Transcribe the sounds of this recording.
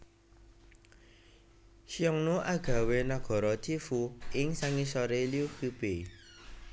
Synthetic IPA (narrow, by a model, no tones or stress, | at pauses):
ʃiɔŋnuʔaɡ̥a̤wenaɡ̥ɔ̤ɾɔt̪ifuɪŋsaŋisɔɾeliukub̥e